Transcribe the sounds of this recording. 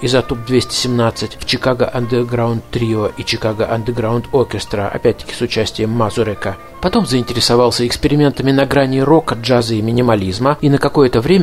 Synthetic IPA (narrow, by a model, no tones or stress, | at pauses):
ɪzɐt̪up̚d̪vʲesʲtʲɪ̥sʲɪmnat̪sɨtʲft͡ɕɪkaɡə̰ʔɐnd̪əɡɾaʊnt̪ːɾʲioʔit͡ɕɪkaɡəʔɐnd̪əɡɾaʊnt̪okʲɪst̪ɾəɐ̰pʲæt̚ʲt̪ːə̥kʲɪ̥sʊt͡ɕæsʲtʲɪjəmːazʊɾʲɛkə | pɐt̪o̞mzəɪnʲtʲɪɾʲɪsɐvɑlˠsʲəɪkspʲɪɾʲɪmʲe̞nt̪əmʲɪnɐɡɾanʲɪɾo̞kɐʐazɨɪmʲɪnʲɪmɐlʲizməinəkɐko̞jət̪əvɾʲemʲə